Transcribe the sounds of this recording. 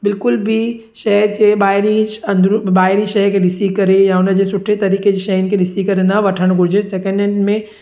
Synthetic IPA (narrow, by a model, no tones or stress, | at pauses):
bɪlkʊlbʱi | ʃɛɦd͡ʑeɓaːɪɾĩɐnd̪ɾɓaːɪɾĩʃɐɦkeɗɪsikɐɾejaʊnəd͡ʑesʊʈʰːet̪ɐɾiːked͡ʑeʃɐɦɪnkʰeɗɪsikɐɾenɐʋɐʈʰəɽ̃ɡʱʊɾd͡ʑesɛkə̃ɳɖɛ̃ɳɖmẽ